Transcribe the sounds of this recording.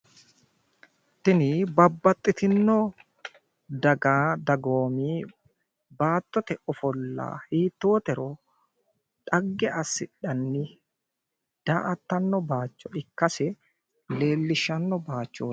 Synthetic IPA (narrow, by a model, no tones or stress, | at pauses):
t̪ːɪnɪbɐbːɐt̪ʼːɪt̪ɪnːɔ | d̪ɐɡaːd̪ɐɡoːmiː | baːt̪ːɔt̪ɛʔɔfɔlːa̰ːhiːt̪ːo̞ːt̪ɛɾɔ | ᶑɐɡːɛʔɐsːɪᶑɐnːɪ | d̪̥aːʔɐt̪ːɐnːɔbaːt͡ʃːɔɪkːɐsɛ | le̞ːlːɪʃɐnːɔbaːt͡ʃːoː